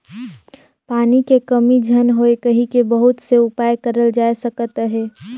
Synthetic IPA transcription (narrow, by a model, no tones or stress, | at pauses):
paːnikekɐmid͡ʒʱənɦoekəɦĩkebəɦʊt̪seʊpaːjkəɾəld͡ʒaːesəkət̪ɦɛː